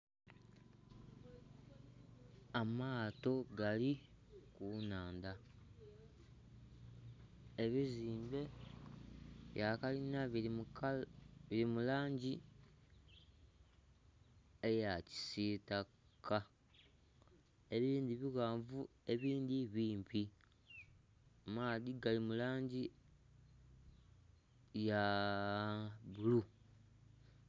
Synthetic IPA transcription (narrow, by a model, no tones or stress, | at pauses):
amaːto̞ɡali | kunaːnda | eβiziːmbe̞ | βjakalinaβ | βilimulaːɲɟi | ejaci̥sita | ka | e̞βiːnd̪iβiɣaːɱvu | e̞βiːnd̪iβiːmpi | maːðiɡalimulaːɲɟi | ja | βulu